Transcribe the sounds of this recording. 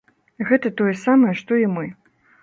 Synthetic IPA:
ɣɛt̪ɐt̪ɔjɛsamɐjɛʂt̪ɔimɨ

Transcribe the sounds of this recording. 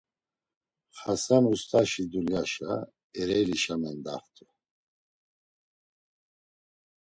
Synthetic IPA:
χasamust̪ʰʼaʃid̪uljaʃa̰ | ɛɾɛjliʃamɛnd̪a̰χt̪ʰʼu

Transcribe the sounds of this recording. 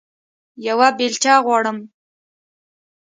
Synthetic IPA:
jawabelt͡ʃɑɣwɑɽəm

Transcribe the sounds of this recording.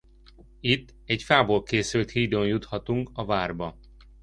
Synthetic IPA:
it̪ːɛcfaːbolkeːsylt̪hiːd̪onjut̪hɒt̪uŋkɒvaːrbɒ

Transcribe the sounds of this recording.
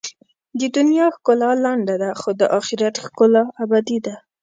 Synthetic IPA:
d̪əd̪ʊnjɑxkolalaɳɖad̪axod̪əʔɑxɪɾat̪xkolaabad̪id̪a

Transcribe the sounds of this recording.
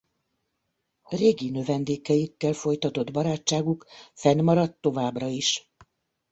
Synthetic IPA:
reːɡinø̞vɛnd̪eːkɛjikːɛlfo̞jt̪ɒt̪o̞d̪bɒɾaːt͡ʃːaːɡukfɛnmɒɾɒt̪ːo̞vaːbrɒiʃ

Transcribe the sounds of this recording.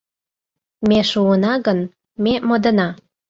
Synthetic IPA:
meʃuənɑɣən | memod̪ə̆nɑ

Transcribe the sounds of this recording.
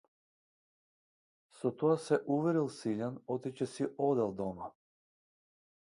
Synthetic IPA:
sɔt̪ɔasɛʔuvɛɾilˠsiʎanɔt̪it͡ɕɛsiʔɔd̪ɛlˠd̪ɔma

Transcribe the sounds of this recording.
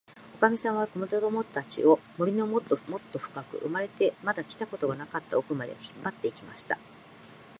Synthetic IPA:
okamʲisãɰ̃β̞ako̞not̪od̪o̞mo̞t̪at͡ɕḭo̞mo̞ɾʲino̞mot̪ːomo̞t̪ːo̞ɸɯ̟̥kakɯ̟̰ʔɯ̰maɾe̞t̪e̞mad̪akʲi̥t̪ako̞t̪o̞ɡanakat̪ːa̰o̞kɯ̟mad̪e̞̰çi̥pːat̪ːe̞ikʲima̰ɕi̥t̪a

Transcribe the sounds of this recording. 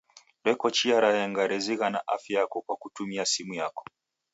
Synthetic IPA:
ɾɛkɔt͡ʃiaɾahɛŋɡaɾɛziɣanaʔafjajakɔkwakutumiasimujakɔ̥

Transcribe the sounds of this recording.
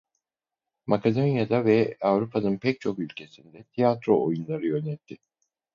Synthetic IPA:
makʰad̪o̞njad̪avɛavɾupʰanɯnpʰɛc̚t͡ʃʰo̞kylʲcʰe̞sind̪ɛt̪ʰijat̪ɾo̞ʔojunlˠaɾɯjø̞nɛt̪ʰːɪ

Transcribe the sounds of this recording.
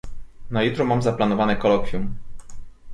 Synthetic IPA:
najit̪ɾɔmamzaplanɔvanɛkɔlɔkʲjum

